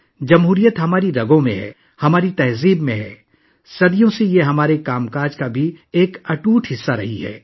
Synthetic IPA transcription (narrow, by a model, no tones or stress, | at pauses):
d͡ʒɐmɦuːɾijət̪ɦɐmaːɾiɾɐɡõmḛ̃ɦɛ̰ː | hɐmaːɾit̪ɐɦziːbmẽɦɛ̰ː | sɐd̪ijõsejeɦɐmaːɾekaːmkaːɾd͡ʒkabʱieːkɐʈuːʈʰɦɪsːaɾɐɦiɦɛ̰ː